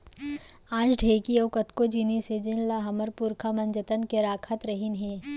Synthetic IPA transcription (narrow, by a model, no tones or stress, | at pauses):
ãːt͡ʃɖʱeːkioːkɐt̪kod͡ʒinised͡ʒɪnlaɦɐməɾpuːɾkʰamɐnd͡ʒət̪ənkeɾaːkʰət̪ɾɐɦinɦẽː